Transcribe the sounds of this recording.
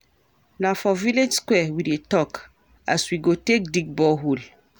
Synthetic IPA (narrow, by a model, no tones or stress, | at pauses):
nafɔviled͡ʒskwɛwidetɔk | a̰swiɡotek̚diɡ̚bɔɦul